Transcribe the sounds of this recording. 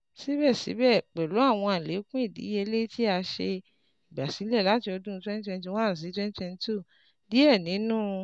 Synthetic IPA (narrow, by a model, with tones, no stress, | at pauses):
si˦bɛ˦˨sḭ˨˦bɛ˦˨k͡pɛ˨lo˨˦a˦˨w̃ɔ̃˧a˨le˨˦kũ˦i˦˨dḭ˨˦e˧le˦ti˦a˧ʃe˧ | i˨ba˨si˨˦lɛ˦˨la˨˦ti˧ɔ˧dũ˦twɛ̃˦ni˦tɛ̃˧n˦ti˧wã˦˨s̬i˨˦twɛ̃˦ni˦tɛ̃˧n˧tu˦˨ | di˨˦ɛ˦˨nĩ˨˦nũː˦